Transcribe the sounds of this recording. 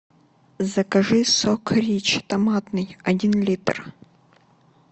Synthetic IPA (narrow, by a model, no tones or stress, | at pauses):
zɐkɐʐɨsɔkʰɾʲit͡ɕt̪ɐmat̪nɨjɐdʲinlʲit̪r